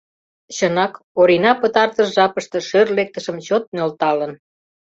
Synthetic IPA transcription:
ɕənɑk | oɾinɑpət̪ɑrt̪əʃʒɑpəʃt̪ɤ̆ʃørlek̚t̪əʃəmt͡ɕot̪̚nølt̪ɑlən

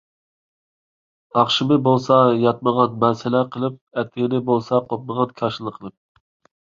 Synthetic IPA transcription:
ɑχʃɪmɨbolˠsɑjɑt̪̚məʁɑnmɛnsɪlɛqʰəlˠɨp̚ɛt̪ːɪɡɪnɪbolˠsɑqʰop̚məʁɑnkʲʰɑʃɪlˠəqʰəlˠɨp̚

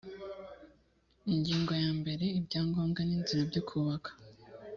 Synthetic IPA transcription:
iɲɟiːŋɡo̞jaːmbe̞ɾe̞ibɟaːŋɡo̞ːmɡaniːnziɾabɟukʰuːβakʰḁ

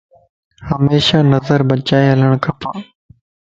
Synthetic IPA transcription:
həmeːʃaːnəzəɾbət͡ʃaːeɦələɽ̃kʰəpʰaː

